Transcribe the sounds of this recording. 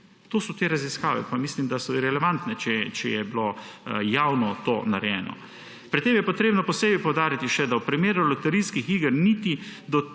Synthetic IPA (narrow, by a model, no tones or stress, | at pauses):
t̪oːsɔt̪eːɾaziskaːʋɛ̰pamislimd̪asɔɾɛlɛʋant̪nɛt͡ʃɛt͡ʃɛjɛblo | jawnɔt̪o̰ːnaɾɛjɛ̰ːnɔ̰ | pɾit̪ːeːmjɛpɔt̪ɾeːbnɔpɔseːbipɔwd̪aːɾit̪iʃɛd̪awpɾimeːɾulɔt̪ɛɾiskixiːɡəɾnit̪id̪ɔ